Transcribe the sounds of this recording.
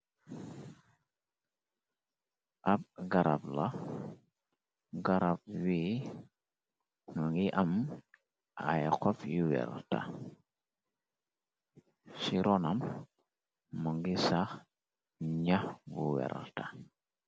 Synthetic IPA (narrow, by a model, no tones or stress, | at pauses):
ʔap̚ɡaɾa̰pla | ɡaɾab̚wi | ŋəŋɡiʔam | ʔa̰jkɔfjuwɛ̰ɾa̰lta̰ | siɾɔnam | məŋɡisax | ɲahbuwɛ̰ɾa̰lta